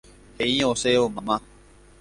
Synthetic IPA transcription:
heĩːoːseːomamã

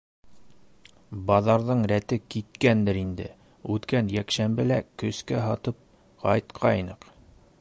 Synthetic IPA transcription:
bɑðɑɾðɤɴɾæt̪ɘkit̪̚kænd̪ɘɾind̪ɘ̰ | ʉt̪kænjækʃæmbɘlækɵ̆skæɦɑt̪ɤp̚ | qʰɑjt̪qʰɑjnɤq

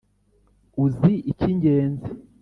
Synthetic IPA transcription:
uziʔiciɲɟeːnzi

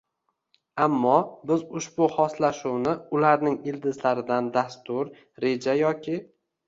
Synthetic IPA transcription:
amːɒbɪzʊʃbʊhɒslaʃuwnɪʊlaɾnɪŋɪld̪ɪzlaɾɪd̪and̪ast̪ʊɾ | ɾe̞d͡ʒajɒkʲʰɪ

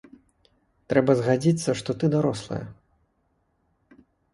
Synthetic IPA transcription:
t̪ɾɛbɐzɣad͡zʲit̪sːɐʂt̪ɔt̪ɨd̪aɾɔslˠɐ̰jɐ̰

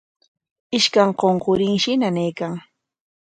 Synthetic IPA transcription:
ɪʃkaŋqoɴqoɾɪŋʃɪnanɪjkaŋ

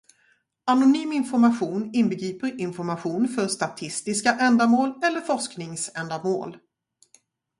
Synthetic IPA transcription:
anʊnyːmɪnfɔɾmaɧuːnɪnbəɡɾiːpəɾɪnfɔɾmaɧuːnfœɾʂt̪at̪ʰɪst̪ɪskaʔɛnd̪amoːlɛlːəɾfɔʂknɪŋsɛnd̪amo̰ːl

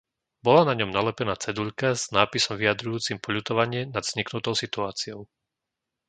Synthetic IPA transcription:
bɔlanaɲɔmnalɛpɛnaːt͡sɛd̪uʎkaz̥naːpisɔmvijad̪ɾujuːt͡simpɔʎut̪ɔʋaɲɪɛnad̪z̥ɲiknut̪ɔʊsit̪uaːt͡siɔʊ

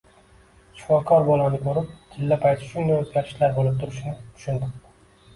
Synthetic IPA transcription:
ʃʊ̥fɒkʰɒɾbɒlˠanɪkʰɵɾɪp̚t̪ʰɪlːapʰajt̪ʰɪ̥ʃʊŋnanot̪ɡʲaɾɪʃlaɾbolˠɪp̚t̪ʰʊɾɪʃɪnɪt̪ʰʊ̥ʃʊnt̪ɪɾd̪ɪ

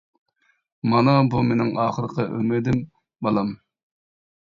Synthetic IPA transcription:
mɑnɑbumenɪŋʔɑːχəɾəqʰəʔømɪd̪ɪm | bɑlˠɑm

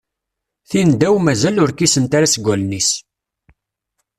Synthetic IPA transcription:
θind̪æwmæzælʊɾkisənt̪aɾasɡʷælnis

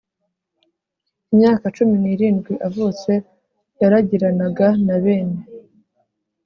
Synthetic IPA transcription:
imɲaːkat͡ʃuminiːɾiːnɡwiʔavuːt͡se̞ | jaɾaɟiɾanaɡanaβe̞ːne

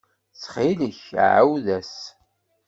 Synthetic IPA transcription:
t͡sːχiləçʕa̰wðæs

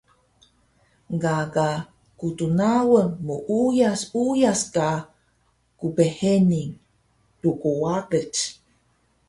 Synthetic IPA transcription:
ɡaɡa | kutunawəŋmuʔujasujaska | kupeheniŋ | dukowaɾət͡ʃ

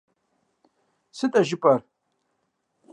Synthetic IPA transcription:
sɨtʼaʒɪpʼar

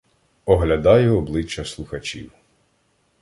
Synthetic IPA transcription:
ɔɦlʲɐd̪ɑjʊɔblˠɪt͡ʃːɐslˠʊxɐt͡ʃʲḭw

